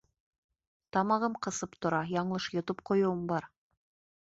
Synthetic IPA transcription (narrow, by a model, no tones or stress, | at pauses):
t̪ɑmɑʁɤmqɤ̆sɤpt̪ŏɾɑjɑɴlˠɤʃjŏt̪op̚qŏjŏwɤmbɑɾ